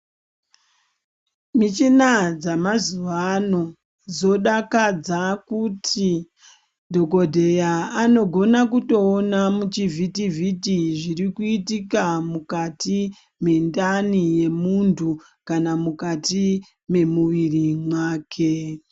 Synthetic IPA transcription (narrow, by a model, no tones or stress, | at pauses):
mit͡ʃinad͡zamazuʋano̞ | d͡zo̞ɗakad͡zakutʰi | dʱo̞ko̞dʱe̞jaano̞ɡʱo̞nakuto̞ːnamut͡ʃivʱitivʱitiʐirikuitikamukati | me̞ndanije̞muntʰu | kanamukati | me̞muʋirimwaːkʰe̞